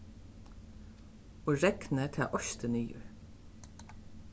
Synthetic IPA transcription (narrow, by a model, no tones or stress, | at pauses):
ɔːɹɛknət̪ʰa̰ːʔɔʃt̪ənyːʊ̰ɹ